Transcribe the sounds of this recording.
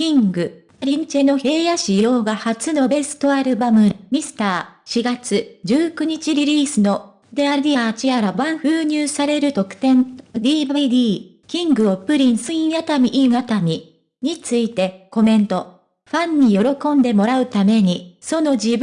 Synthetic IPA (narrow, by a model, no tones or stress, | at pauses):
kʲĩŋɡɯ̟ | ɾʲiɲt͡ɕeno̞he̞ːjaɕijo̞ːɡahat͡sɨno̞be̞sɨ̥t̪o̞aɾɯ̟bamɯ̟mʲisɨ̥t̪aːɕiɡat͡sɨd͡ʑɨːkɯ̟ɲ̟it͡ɕiɾʲiɾʲiːsɨno̞ | d̪eaɾd̪ʲiaːt͡ɕijaɾaβãɰ̃ɸɯːɲ̟ɨːsaɾe̞ɾɯ̟t̪o̞kɯ̟̥t̪ẽ̞nd̪ʲiːbaid̪iː | kʲĩŋɡɯ̟opɯ̟ɾʲĩɰ̃sɨĩɰat̪amʲiʔiat̪amʲi | ɲ̟it͡sɨit̪e̞ko̞mẽ̞nt̪o̞ | ɸãɲ̟ːijo̞ɾo̞kõ̞nd̪e̞mo̞ɾaɯ̟t̪ame̞ɲ̟iso̞no̞d͡ʑi